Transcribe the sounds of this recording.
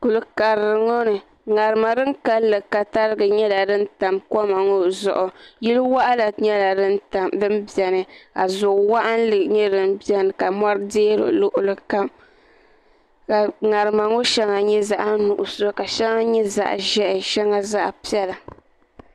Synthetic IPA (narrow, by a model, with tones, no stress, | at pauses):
ku˨lɨ˨ka˨ɾɨ˨ŋo˦nɨ˨ | ŋa˨ɾɨ˨ma˨dɨ˦nka˦lːɨ˨ka˨ta˦ɾɨ˦ɡɨ˨ɲɛ˦la˨dɨ˦n˦ta˨mkɔ˦ma˨ŋo˦zʊ̰˨ʔʊ˨ji˦lɨ˦wa˦ʔa˦la˨ɲɛ˦la˨˦na˨dɨ˦mbi˨ɛ˨nɨ˨ka˨zʊ˨ʔwa˦ʔa˦n˦lɨ˨ɲɛ˦dɨ˨mbɛ˦nɨ˨ka˨ma˦ɾɨ˦deː˦ɾɨ̰˨lʊ˦ʔʊ˨lɨ˨ka˦m | ka˨ŋa˨ɾɨ˨ma˨ŋo˦ʃɛ˦ŋa˨ɲɛ˦za˦ʔa˦nu˨ʔʊ˨ska˨ʃɛ˦ŋa˦ɲɛ˦za̰˦˨ʔʒɛ˦ʔɪ˨ʃɛ˦ŋa˦za˦ʔpi˦ɛ˦la˨